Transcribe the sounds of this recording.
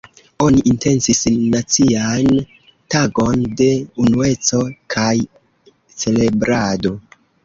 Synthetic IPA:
o̞niʔinte̞nsisnːat͡sian | taɡo̞nde̞unue̞t͡so̞kʰaj | t͡se̞le̞bɾado̞

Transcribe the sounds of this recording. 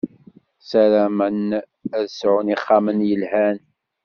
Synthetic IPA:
sælæmən | æðəsʕunɪχːɑmənjəlhæn

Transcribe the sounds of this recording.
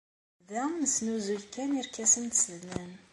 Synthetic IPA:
ðænəsnuzulkːæniɾkæsənt̪sðnæn

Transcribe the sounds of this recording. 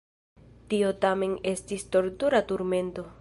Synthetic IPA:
tio̞tame̞ne̞stisto̞ɾtuɾatuɾme̞nto̞

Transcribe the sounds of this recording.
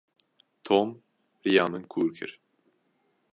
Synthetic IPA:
t̪ʰoːm | ɾijaːmɨnkʰuːɾkʰɨ̰ɾ

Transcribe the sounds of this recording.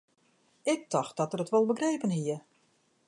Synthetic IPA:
ɪk̚tɔxt̚dɔtərətʋɔlˠbəɡreːpənɦiə

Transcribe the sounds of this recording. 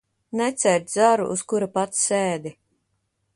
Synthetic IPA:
nɛt̪sɛɾt̪z̥aɾṵʔuskuɾapat̪sseːd̪i

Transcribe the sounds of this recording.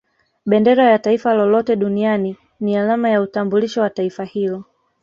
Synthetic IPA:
ɓɛndɛɾajataifalɔlɔtɛɗuniani | nialamajautambuliʃɔwataifahilɔ

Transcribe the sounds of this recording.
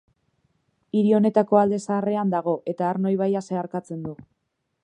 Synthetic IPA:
iɾio̞ne̞t̪ako̞ald̪e̞saːre̞and̪aɣ̞o̞ʔe̞t̪aːɾno̞jβajase̞aɾkat͡se̞nd̪u

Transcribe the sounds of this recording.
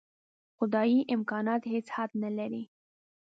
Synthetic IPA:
xʊd̪ɑjiʔɪmkɑnɑt̪het͡shad̪nalaɾi

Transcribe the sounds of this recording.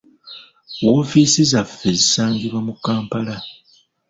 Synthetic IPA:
wo̞ːfiːsizafːe̞zisaːŋɡiβwamukːaːmpala

